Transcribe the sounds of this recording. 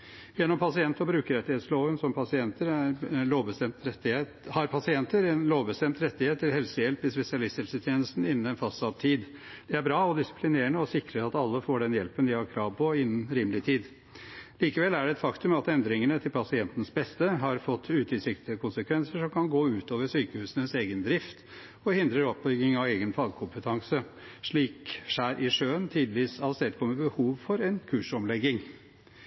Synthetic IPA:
jɛnːɔmpʰɑsɪɛnt̪ɔbɾʉːkəɾɛt̪ːɪeːt̪sloːʋənsɔmpʰɑsɪɛnt̪əɾæɾloːʋbəst̪ɛmt̪ɛɪ | hɑɾpʰɑsɪɛnt̪əɾɛnloːʋbəst̪ɛmt̪ɾɛt̪ːɪheːt̪ːɪlhɛlsəjɛlpɪspɛsɪɑlɪst̪hɛlsət̪ʰjeːnəst̪n̩ɪnːn̩ɛnfɑsɑʋt̪ʰiːd̪ | d̪̥ɛæbɾɑːɔd̪ɪsɪ̥plɪneːɳəɔsɪkɾəɾɑt̪ɑlːəfoːɖɛnjɛlpənd̪ɪhɑɾkʰɾɑːʋpʰɔɪnːənɾiːmlɪt̪ʰiːd̪ | liːkəʋɛlːæɖɛɛt̪fɑkt̪ʉmɑt̪ɛnd̪ɾɪŋənət̪ʰɪlpʰɑsɪɛnt̪n̩sbɛst̪əɦɑɾfɔt̪ːʉːt̪ɪsɪkt̪ʰɪəkʰʊnsəkʰʋɛnsəʂɔmkʰɑnɡoːʉːt̪oːʋəʂyːkəhʉːsənəseːɡənd̪ɾɪft̪ | ɔhɪnd̪ɾəɾɔp̚bʏɡɪŋɑʋeːɡənfɑːɡkʰʊmpət̪ʰɑŋsə | ʂɭiːkʂæːɾʔɪʂøːənt̪ʰiːd̪ɪʋiːsɑlsɛːt̪kʰɔməbəhuːʋfɔɾɛnkʰʉːʂɔmlɛɡːɪŋ

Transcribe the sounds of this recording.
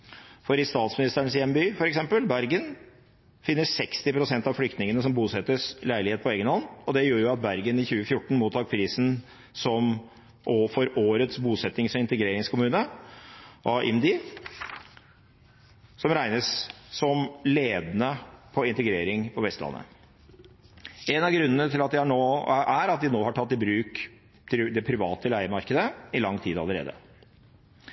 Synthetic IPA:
fɔɾɪst̪ɑːt̪smɪnɪst̪əəɳsjɛmbyːfɔɾɛksɛmpəlbæɾɡən | fɪnːəsɛkst̪ɪpɾʊsɛnt̪ɑʋflʏk̚t̪nɪŋənəsɔmbuːsɛt̪ːəslæɪɭɪheːt̪̚pʰɔeːɡənhɔnːɔd̪ɛjøːɾjʊɑt̪̚bæɾɡənɪçʉːəfjʊʈːɳ̩muːt̪ʰːɑːk̚pʰɾiːsn̩ | sɔm | ʔoːfɔɾoːɾət̪sbuːsɛt̪nɪŋsɔɪnt̪əɡɾeːɾɪŋskʰʊmʉːnə | ʔɔʔɪ̰md̪ɪ | sɔmɾæɪnəssɔmleːd̪nəpʰɔɪnt̪əɡɾeːɾɪŋpʰɔʋɛst̪lɑ̰nːə̰ | ɛnɑɡɾʉnːənət̪ʰɪlɑt̪d̪ɪhɑɳoːæɾɑt̪̚d̪ɪnoːhɑʈʰɑt̪ːɪbɾʉːk | t̪ʰd̪ɛpʰɾɪʋɑːt̪əlæɪəmɑɾkəd̪əɪlɑŋːt̪ʰiːd̪ɑ̰ləɾḛːd̪ə̰

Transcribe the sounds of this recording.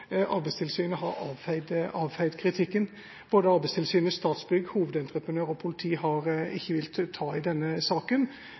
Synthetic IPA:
ʔɑɾbɛɪst̪ʰɪlsyːnəɦɑɾɑːʋæɪd̪ʔɑːʋhæɪd̪kʰɾɪt̪ʰɪkːən | b̥oːd̪əɑɾbɛɪst̪ʰɪlsyːnəst̪ɑːt̪sbʏɡhuːʋəd̪ɛnt̪ɾəpʁənøːɾɔpʰʊlɪt̪ʰiːɦɑɾɪçːəʋɪlt̪t̪ʰɑːɪd̪ɛnːəsɑːkən

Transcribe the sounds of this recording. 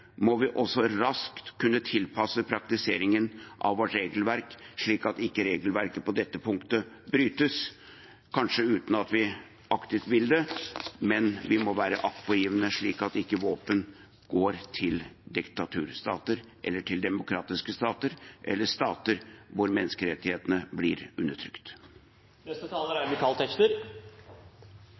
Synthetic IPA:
mɔʋɪʔɔsɔɾɑskt̪kʰːʉnːət̪ʰɪlpʰɑsəpʰɾɑkt̪ɪseːɾɪŋənʔɑ̰ʋʋɔʈɾeːɡəlʋæɾkʂɭiːkɑt̪ɪkːəɾeːɡəlʋæɾkəpɔd̪ɛt̪ːəpʰʊŋkt̪ə | bɾyːt̪əs | kʰɑnʂəʉːt̪nɑt̪ʋɪ | ʔɑkt̪ɪft̪ʋɪld̪ɛmɛnʋɪmɔʋæːɾəʔɑkpɔjɪːʋənəʂɭiːkɑt̪ɪkːəʋoːpən | ɡ̥oːɾt̪ʰɪld̪ɪkt̪ɑt̪ʰʉːɾst̪ɑ̰ːt̪əɾʔɛ̰lːəʈʰɪld̪ɛmʊkʰɾɑːt̪ɪskəst̪ɑːt̪əɾʔɛ̰lːəʂt̪ɑːt̪əɾʋʊɾmɛnːskəɾɛt̪ːɪheːt̪ənəblɪɾʉnːəʈʰɾʏkt̪ | nɛst̪ət̪ʰɑːləɾæɾmɪkʰɑːlt̪ʰɛkt̪əɾ

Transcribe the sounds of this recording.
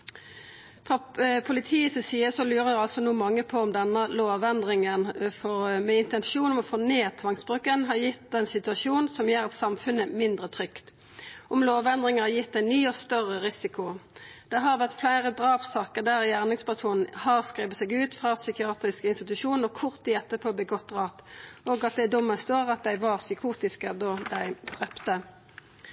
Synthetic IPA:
fʁɑpʰʊlɪt̪ʰiːəsəsiːəsɔlyːʁəæɑlsɔnuːmɑŋːəpʰɔɔmd̪ɛnːəloːʋɛnd̪ʁɪŋənfɔʁmɛɪnt̪ɛnʃuːnɔmɔfoːneːt̪ʰʋɑŋsbʁʉːkənɦɑʁjɪt̪d̪ɛnsɪt̪ʉɑsuːnn̩sɔmjeːʁɛt̪sɑmfʉnəmɪnd̪ʁət̪ʰʁʏkt̪ | ʔɔmloːʋɛnd̪ʁɪŋənhɑjɪt̪ːæɪnyːɔst̪œʁəʁɪsɪkʊd̪̥ɛɦɑːʁʋæʁt̪flæɪʁəd̪ʁɑːpsɑːkəʁd̪æːʁjæːʁnɪŋspʰæʁsuːnn̩hɑːʁskʁiːʋət̪seːɡʉːt̪fʁɑsʏkɪɑːt̪ʁɪskəɪnst̪ɪt̪ʉʃuːnəʁkʰʊʁt̪̚d̪ɪɛt̪ːəpʰoːbɛɡɔt̪̚ʁɑːt̪oːɡɑt̪̚d̪ɛd̪ʊmːəst̪oːʁɑt̪̚d̪æɪʋɑːʁsʏkʰuːt̪ɪskəd̪ɔd̪æɪd̪̥ʁɛpt̪ə

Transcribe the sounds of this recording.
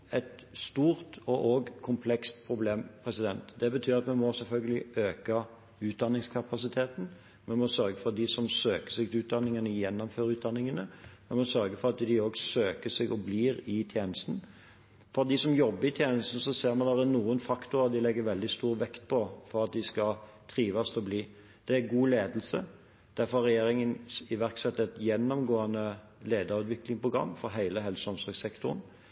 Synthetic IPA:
ɛt̪st̪uːɾt̪ɔʔoɡkʰʊmpʰlɛkst̪pʰɾʊbleːmpʰɾɛsɪd̪ɛnt̪d̪ɛbət̪ʰyːɾɑt̪mɛnmɔsɛlfœlɡəlɪøːkɑ | ʉːt̪̚d̪ɑnːɪŋskʰɑpɑsɪt̪ʰeːt̪n̩ | mɛnmɔsœɾɡəfɔɾd̪ɪsɔmsøːkə̥sɪɡt̪ʉːt̪̚d̪ɑnːɪŋənəjɛnːɔmføːɾʉːt̪̚d̪ɑnːɪŋənəmɛnmɔsœɾɡəfɔɾɑt̪d̪ɪoːɡsøːkəsɛɡɔbliːɾɪt̪ʰjeːnəst̪n̩ | fɔɾd̪ɪsɔmjɔbːəɾɪt̪ʰjeːnəst̪n̩sɔseːɾmɑnd̪ɑɾənuːənfɑkt̪ʊɾɑd̪ɪlɛɡːəɾʋɛld̪ɪst̪uːɾʋɛkt̪̚pʰɔfɔɾɑt̪̚d̪ɪskɑt̪ʰɾiːʋɑst̪ʰɔbliː | d̪̥ɛæɡuːleːd̪əl̩sə | d̪̥æɾfɔɾɑɾʁɛjeːɾɪŋənɪʋæɾksɛt̪ːɛt̪jɛnːɔmɡoːɑnə | leːd̪ɑɾʉːt̪ʋɪklɪŋpʰɾʊɡɾɑ̰mːfɔɾɦæɪləɦɛlsɔmsɔɾɡsɛkt̪ʊɾən

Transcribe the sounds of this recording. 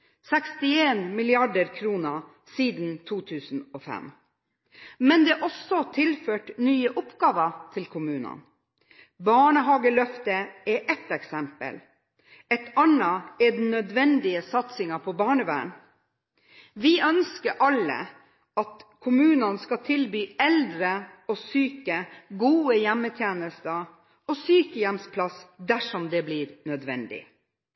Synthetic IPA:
sɛkst̪ɪeːnmɪlɪɑɖəɾkʰɾuːnə | siːd̪n̩t̪ʰuːt̪ʰʉːsn̩ɔːfɛ̰m | mɛnd̪ɛʔɔsɔt̪ʰɪlføːʈnyːəʔɔpɡɑːʋət̪ʰɪlkʰʊmʉːnɑ̰n | bɑːɳəɦɑːɡəlœft̪əɛʔɛt̪ɛksɛmpə̰l | ɛt̪ɑnɑɛd̪n̩ːœd̪ʋɛnd̪ɪəsɑt̪sɪŋɑpʰɔbɑːɳəʋæ̰ːɳ | ʋɪʔœnskəɾʔɑlːə̰ | ɑt̪kʰʊmʉːnɑnskɑt̪ʰɪlbyːɛld̪ɾəɔsyːkəɡuːəjɛmːət̪ʰjeːnəst̪ə | ɔsyːkəjɛmspʰlɑsd̪æʂɔmd̪ɛblɪːɾnœd̪ʋɛ̰nd̪ɪ̰

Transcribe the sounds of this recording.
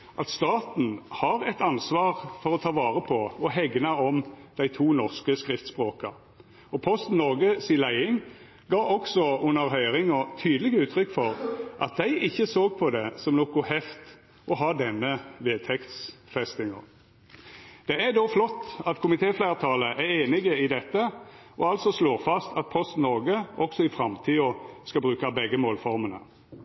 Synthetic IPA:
ʔɑt̪st̪ɑːt̪n̩hɑʁɛt̪ɑnsʋɑːʁfɔʁɔt̪ʰɑːʋɑːʁəpʰɔɔɦɛɡnɑɔmd̪̥æɪt̪ʰuːnɔʁskəskʁɪft̪spʁoːkɑ̰ | ɔpʰɔst̪n̩ːɔʁɡəsiːlæɪɪŋ | ɡɑːʔɔksɔʊnːəʁɦœʏʁɪŋɔt̪ʰyːd̪lɪɡəʉːt̪ʰɾʏkːfɔʁʔɑ̰t̪̚d̪æɪʔɪçːəsoːɡ̚pʰɔd̪ɛsɔmnɔkʊhɛft̪ | ʔɔɦɑːd̪ɛnːəʋeːt̪ʰɛkt̪sfɛst̪ɪŋə | d̪̥ɛæd̪oːflɔt̪ːɑt̪kʰʊmɪt̪ʰeːflæɪʁt̪ʰɑːləʔæʁeːnɪɡəɪd̪ɛt̪ːə | ʔɔɑlsɔsloːʁfɑst̪ʰɑt̪̚pʰɔst̪nɔɡəʔɔksɔɪfɾɑmt̪ʰiːɔskɑbʁʉːkɑbɛɡːəmoːlfɔʁmənə̰

